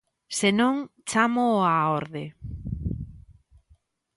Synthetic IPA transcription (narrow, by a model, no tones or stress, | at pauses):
senõŋt͡ʃamoaoɾðe